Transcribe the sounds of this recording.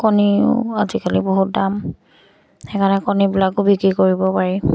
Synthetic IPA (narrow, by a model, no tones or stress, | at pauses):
koniʊ̰azikaliboɦut̚dam | ɛkanɛkɔnibilakʊbikɹikoɹibɔpaɹi